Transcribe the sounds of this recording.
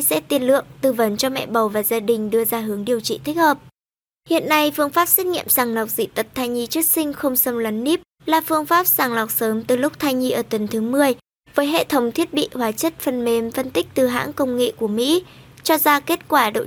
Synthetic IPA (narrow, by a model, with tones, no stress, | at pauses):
sɛ̰˧˥t̪i˨˩ənlɨ̰˧˨əŋt̪ɨ˧˩və˨˦nt͡ɕɔ˧mɛ̰˧˨ɓə˨˩wvaː˨˩zaː˧ɗï˨˩ŋ̟ɗɨ˧əzaː˧ɦɨ˨˦əŋɗi˨˩əwt͡ɕḭ˧˨t̪ʰi˦˥k̚həː˨˩p̚ | hḭ˧˨ənːa˧jfɨ˧əŋfaː˦˥p̚se˦˥t̚ŋḭ˧˨əmsaː˨˩ŋla˨˩wk͡p̚zḭ˧˨t̪ə˨˩t̚t̪ʰaː˧jɲi˧t͡ɕɨ˦˥ək̚sï˧ŋ̟xə˧wŋ͡msə˧mlə˨˦nːi˦˥p̚ | laː˨˩fɨ˧əŋfaː˦˥p̚saː˨˩ŋla˨˩wk͡p̚səː˨˦mt̪ɨ˨˩lʊ˦˥k͡p̚t̪ʰaː˧jɲi˧ʔəː˧˩t̪ə˨˦nt̪ʰɨ˨˦mɨ˨˧˩əj | vəː˨˦jɦḛ˧˨t̪ʰə˨˦wŋ͡mt̪ʰi˦˥ət̚ɓḭ˧˨hwaː˨˦t͡ɕə˦˥t̚fə˧nme˨˩mfə˧nt̪ï˦˥k̟̚t̪ɨ˨˩ɦa̰ː˧˥ŋkə˧wŋ͡mŋḛ˧˨ku˧˩əmḭ˧˥ | t͡ɕɔ˧zaː˧ke˦˥t̚kwaː˧˩ɗo̰˧˨